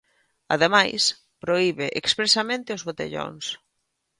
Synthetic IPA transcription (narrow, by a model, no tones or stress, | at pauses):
a̰ðemajs | pɾoiβɪʔekspɾesamẽnt̪ɪʊzβot̪ḛʎo̰ŋs